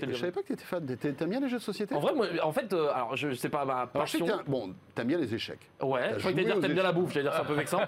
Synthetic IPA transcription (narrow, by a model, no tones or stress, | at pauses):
ɛsavɛpakət̪yet̪ɛ̥fant̪ɛt̪yɛt̪yabjɛ̃leʒød̪ə̥sɔsjet̪eɑ̃vʁɛmwaɑ̃fɛt̪øalɔ̰ʁʒəʒsɛpamapasjɔ̃ɛbɔ̃t̪yɛabjɛ̃lezeʃɛ̰k | wɛfɛkt̪aed̪iʁt̪ɛbjɛ̃labufʒaved̪iʁsɛɛ̃pøvɛksɑ̃